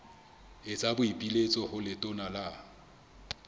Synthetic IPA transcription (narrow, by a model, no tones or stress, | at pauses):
ɪt͡sʼabʊipʼilet͡sʼɔhʊlɪtʼʊnala